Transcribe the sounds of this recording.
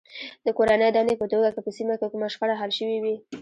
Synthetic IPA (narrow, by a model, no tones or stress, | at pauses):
d̪̥əkoɾanəjd̪ɑnejpət̪oɡakepəsimakekumaʃkaɽaɦalʃəwiwi